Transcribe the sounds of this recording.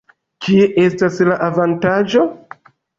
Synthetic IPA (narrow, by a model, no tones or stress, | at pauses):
kieʔe̞staslaʔavantad͡ʒo̞